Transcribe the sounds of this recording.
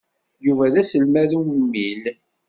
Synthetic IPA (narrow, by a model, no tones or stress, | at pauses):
juvæðæsəlmæðumːil